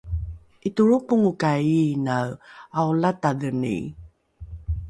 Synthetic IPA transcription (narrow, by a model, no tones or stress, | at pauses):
ʔituɾupuŋukainawawlataðənḭ